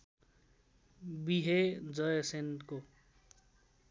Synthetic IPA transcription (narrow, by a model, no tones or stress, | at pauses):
biɦed͡zʌjʌsenʈko